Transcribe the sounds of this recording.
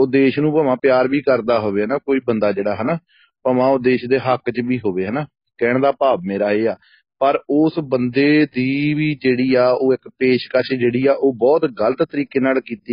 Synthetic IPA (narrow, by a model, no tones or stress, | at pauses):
ʊd̪eːʃnũːpəmãːpjaːɾbiːkəɾd̪aːɦoːʋeːɦnaːkoːiːbənd̪aːd͡ʒeːɽaːɦɛnaː | pəmãːʊd̪eːʃd̪eːɦəkt͡ʃʋiːɦoːʋeːɦɛnaː | kɛːɳd̪aːpaːbmeːɾaːeːaː | pəɾʊsbənd̪eːd̪iːʋiːd͡ʒeːɽiːaːoːɪkpeːʃkət͡ʃʰd͡ʒeːɽiːaːʔoːbɔːt̪ɡələt̪ːəɾiːkeːnaːlkiːt̪iː